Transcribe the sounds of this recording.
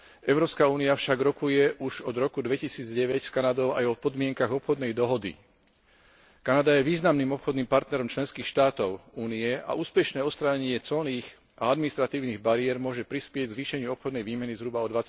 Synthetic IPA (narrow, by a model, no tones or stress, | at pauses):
ʔɛʊɾɔːpskauːniafʃaɡɾɔkujɛʔuʒɔd̪ɾɔkud̪ʋɛcisiːd͡zɟɛʋɛcskanad̪ɔʊajɔpɔd̪mɪɛŋkaɣɔpxɔd̪nɛjd̪ɔɦɔd̪ḭ | kanad̪ajɛʋiːznamniːmɔpxɔd̪niːmpaɾt̪nɛɾɔmt͡ʃlɛnskiːxʃt̪aːt̪ɔʊuːniɛa̰ʔuːspɛʃnɛːɔst̪ɾaːɲɛɲɪɛt͡sɔlniːx | ʔaad̪minist̪ɾat̪iːʊniːɣbaɾiɛɾmʊɔʒɛpɾispɪɛɟɡzʋiːʃɛɲɪuɔpxɔd̪nɛjʋiːmɛnizɦɾubaɔd̪ʋat͡sa